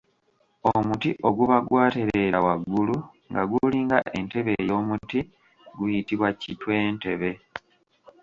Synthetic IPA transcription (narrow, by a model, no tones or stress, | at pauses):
omutiʔo̞ɡuβaɡwaːteɾe̞ɾawaɡːulu | ŋɡa̰ɡuliːŋɡa̰ʔe̞nte̞βe̞ːjo̞ːmuti | ɡujitiβwacitwe̞ːnte̞βe̞